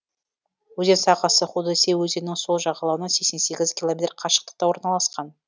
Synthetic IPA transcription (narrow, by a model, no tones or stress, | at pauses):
wɵze̞nsɑqɑsəχud̪ɑsewɵze̞nːɪŋso̞lˠʒɑʁɑlˠɑwənɑse̞kse̞nse̞ɡʲɪzkʲilˠomet̪rqʰɑʃə̥qt̪ə̥q̚t̪ɑwo̞ɾnɑlˠɑsqɑn